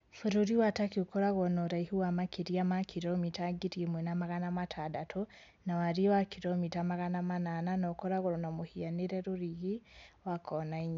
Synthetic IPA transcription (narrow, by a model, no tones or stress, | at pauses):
fuɾuɾiwatakiokɔɾaɣɔnɔɾaihuwamakiɾiamakʰiɾɔmitaɡiɾimwɛnamaɣanamatʰadatʰɔ | nawaɾiwakʰiɾɔmitamaɣanamanananɔkɔɾaɣɔɾɔnamohianeɾɛɾoɾiɣiwakʰɔnaiɲa